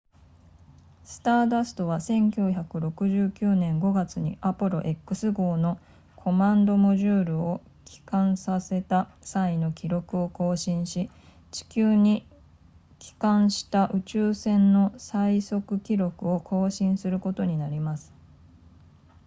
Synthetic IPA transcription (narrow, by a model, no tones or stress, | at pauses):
sɨ̥t̪aːd̪asɨ̥t̪o̞β̞asẽ̞ŋkʲoçakɯ̟ɾo̞kɯ̟ʑɨːkʲɨːnẽ̞ŋɡo̞ɡat͡sɨɲ̟ḭʔapɯɾo̞̰ʔe̞kːɯ̟sɨɡo̞ːno̞ | kʰo̞mãnd̪o̞mo̞ʑɨːɾɯ̟o | kʲi̥kãɰ̃sase̞t̪asaino̞kʲiɾo̞kɯ̟o̞ko̞ːɕĩɰ̃ɕi | t͡ɕi̥kʲɨːɲ̟i | kʲi̥kãɰ̃ɕi̥t̪aʔɯ̟t͡ɕɨːsẽ̞nːo̞saiso̞kɯ̟kʲiɾo̞kɯ̟o̞kʰo̞ːɕĩɰ̃sɨɾɯ̟ko̞t̪o̞ɲ̟inaɾʲimasɨ̥